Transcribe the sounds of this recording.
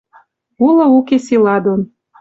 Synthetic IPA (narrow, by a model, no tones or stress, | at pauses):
ulɤ̆ukesilɑd̪on